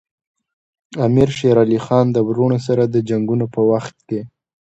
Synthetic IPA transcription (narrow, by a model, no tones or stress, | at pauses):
amiɾʃeɾɑlixɑnd̪əbɾoɳos̬aɾad̪əd͡ʒaŋɡunopəwaxt̪̚ke